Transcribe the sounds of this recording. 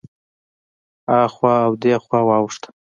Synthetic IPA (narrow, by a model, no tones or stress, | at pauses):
ɑxwɑawd̪exwɑwɑwʂt̪